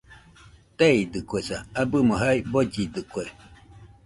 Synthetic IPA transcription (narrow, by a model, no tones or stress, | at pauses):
t̪eid̪ɨkʷesaabɨmoɦaibod͡ʒid̪ɨkʷe